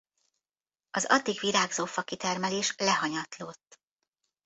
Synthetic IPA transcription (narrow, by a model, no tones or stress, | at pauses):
ɒzɒ̰d̪ːiɡʋiɾaːɡzoːfɒkit̪ɛrmɛleːʃlɛɦɒɲɒt̪loːt̪ː